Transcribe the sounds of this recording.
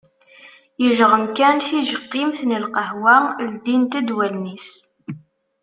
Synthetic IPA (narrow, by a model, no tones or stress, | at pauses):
jəʒʁəmkænθiʒəqːimθnəlqəhwæld̪int̪æd̪wælnis